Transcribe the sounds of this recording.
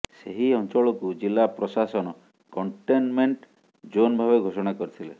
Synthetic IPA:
seɦiɔnt͡ʃɔɭɔkud͡ʒilːapɾɔsasɔnɔ | kɔɳʈenmeɳʈ | d͡ʒonbʱaβeɡʱosɔɽ̃akɔɾit̪ʰile

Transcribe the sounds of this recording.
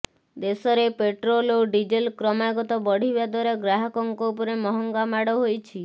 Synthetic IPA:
d̪esɔɾepeʈɾoloɖid͡ʒelkɾɔmaɡɔt̪ɔbɔɽ̤ibad̪ʱwɔɾeɡɾaɦɔkɔŋkɔupɔɾemɔɦɔŋɡamaɽɔɦojt͡ʃʰi

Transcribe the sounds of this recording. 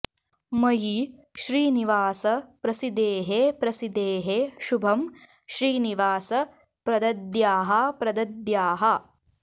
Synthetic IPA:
mɐjiʃɾiːniʋaːsɐpɾɐsid̪eːɦepɾɐsid̪eːɦeʃubʱɐm | ʃɾiːniʋaːsɐ | pɾɐd̪ɐd̪jaːɦɐpɾɐd̪ɐd̪jaːɦɐ

